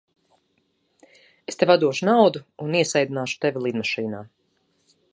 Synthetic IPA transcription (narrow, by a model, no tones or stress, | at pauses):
est̪evʲad̪uɔʃunawd̪uuniɛsajd̪inaːʃu̥t̪evʲilˠid̪maʃiːnaː